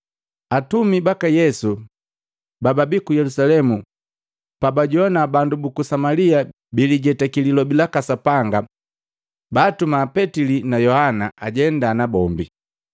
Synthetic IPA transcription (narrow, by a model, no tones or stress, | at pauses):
atumibakajɛsu | bababikujɛlusalɛmu | pabaɟɔnabandubukusamalia | biliɟɛtakililɔbilakasapaŋɡa | baːtumaːpɛtilinajɔhanaʔaɟɛndaːnabɔmbi